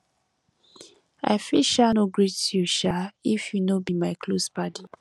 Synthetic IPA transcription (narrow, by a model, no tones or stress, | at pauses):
a̰ɪfilʃanoɡɹitjuʃaifjunobimaɪkʰlospadi